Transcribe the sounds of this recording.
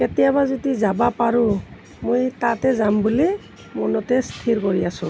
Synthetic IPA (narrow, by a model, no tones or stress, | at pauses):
ketɛjabazodizabapaɹu | mojtatɛzambuli | mɔnɔtɛst̪ʰiɹkɔɹiasʊ̃